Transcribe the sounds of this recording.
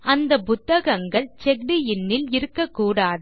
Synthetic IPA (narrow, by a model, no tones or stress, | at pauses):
ɐnd̪ɐpʊt̪ːɐɣɐŋɡɐɭt͡ʃɛk̚ɖijɪnːɪlɪɾɯkːɐkːuːɽaːðɯ